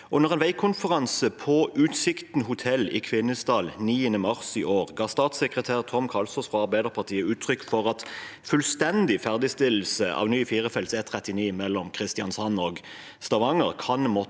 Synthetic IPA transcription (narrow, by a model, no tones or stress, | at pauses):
ʔʊnəʁɛnʋæɪkʰʊnfəʁɑnsəpʰɔʉːt̪sɪkt̪n̩hʊt̪ʰɛlːɪ̰kʰʋɪnːəsd̪ɑːlniːənəmɑʁsiʔoːʁɡɑːst̪ɑːt̪sɛkʁət̪ʰæːʁt̪ʰɔmkʰɑlsɔsfʁɔɑʁbæɪd̪əʁpʰɑʁt̪ʰiːəʉːt̪ʰʁʏkːfɔʁɑt̪ | fʉlst̪ɛnd̪ɪfæʁd̪ɪst̪ɪll̩səʔɑ̰ːʋnyːfiːʁəfɛlset̪ʰʁɛt̪ɪniːmɛlːɔmkʰʁɪst̪ɪɑnsɑnːɔɡ | st̪ɑʋɑŋəʁkʰɑnmɔ